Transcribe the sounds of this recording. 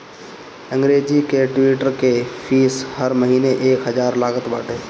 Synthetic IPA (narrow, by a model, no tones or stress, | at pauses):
ə̃ŋɡɾeːd͡ʒikeʈwiːʈəɾkepʰiːshəɾməɦiːneʔeːkɦəd͡ʒaːɾlaːɡət̪ba̰ːʈeː